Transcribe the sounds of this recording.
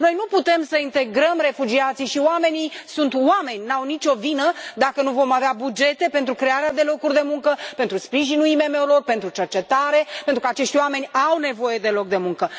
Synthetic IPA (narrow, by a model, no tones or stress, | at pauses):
no̞jnuput̪e̞msəint̪e̞ɡɾəmre̞fud͡ʒiat̪sijʃiwame̞nijsunt̪wame̞nʲnawnit͡ʃʲo̞vinəd̪akənuvo̞maveabud͡ʒe̞t̪e̞pe̞nt̪ɾukɾe̞aɾead̪e̞lo̞kurʲd̪e̞muŋkəpent̪ɾuspɾiʒinuime̞me̞wlo̞rpe̞nt̪ɾut͡ʃe̞rt͡ʃe̞t̪aɾe̞pet̪ɾukəat͡ʃe̞ʃt̪ʲwame̞nʲawne̞vo̞je̞d̪e̞lo̞k̚d̪emuŋkə